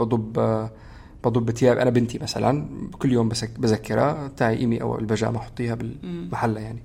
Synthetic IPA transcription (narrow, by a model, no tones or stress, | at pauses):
bɑd̪ˤʊb | b̥ɑd̪ˤʊbːɪt̪jaːbʔanabɪnt̪imasa̰la̰nkʊlːjoːmbbazakːɪɾˤa̰bt̪aːʕiʔimiʔa̰w̰ɪlbaʒa̰ːʔmaħo̥t̪ˤːiːhabɪlmaħalːajaʕni